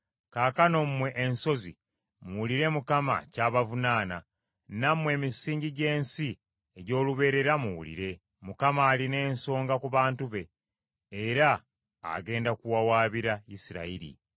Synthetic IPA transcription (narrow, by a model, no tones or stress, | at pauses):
kaːkano̞mmwe̞ʔenso̞zḭ | muwuliɾe̞mukama̰caːβavunaːna | namwe̞ːmisiːɲɟiɟe̞ːnsi | eɟo̞ːluβe̞ːɾe̞ɾamuwṵlḭɾe̞ | mukamaːline̞ːnso̞ːŋɡakuβaːntuβe̞ː | ɾa̰ː | ɡe̞ːndakuwawaːβiɾaisiɾa̰iɾḭ